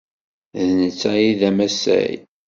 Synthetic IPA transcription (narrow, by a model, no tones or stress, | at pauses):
ðnət͡sːæjiðæmæsæ̰j